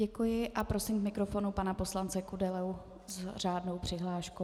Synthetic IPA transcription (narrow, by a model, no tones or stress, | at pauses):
ɛkujɪʔapɾo̞sɪmkmɪkɾo̞fo̞nupanapo̞slant͡sɛkudɛlɛw | zraːdno̞wpr̥ɪɦlaːʃko